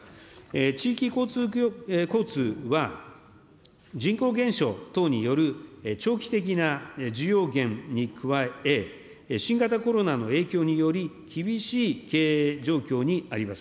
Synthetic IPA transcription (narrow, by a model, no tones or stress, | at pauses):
et͡ɕiːkʲiko̞ːt͡sɨːko̞ːt͡sɨːβa | d͡ʑĩŋko̞ːɡẽ̞ɰ̃ɕo̞̰ːt̪o̞ːɲ̟ijo̞ɾɯ̟et͡ɕo̞ːkʲi̥t̪e̞k̬ʲinad͡ʑijo̞ːɡẽ̞ŋɲ̟ikʰɯ̟βae̞ | ɕĩŋɡat̪ako̞ɾo̞nano̞e̞ːkʲo̞ːɲ̟ijo̞ɾʲikʲibʲiɕiːke̞ːd͡ʑo̞ːkʲo̞ːɲ̟iaɾʲimasɨ̥